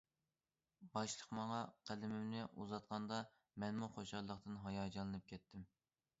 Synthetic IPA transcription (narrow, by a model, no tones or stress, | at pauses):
bɑʃlˠəqmɑŋɑqʰælɪmɪmnɪʔuzɑt̪̚qʰɑnd̪ɑ | mɛnmuχoʃɑlˠəqt̪ɨnɦɑjɑd͡ʒɑlˠɨnɨp̚kʲʰɛt̪ʰːɪm